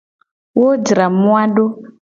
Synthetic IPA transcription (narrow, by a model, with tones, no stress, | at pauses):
wo˦d͡ʒi˨ɾa˨mu˦wa˦ɗo˦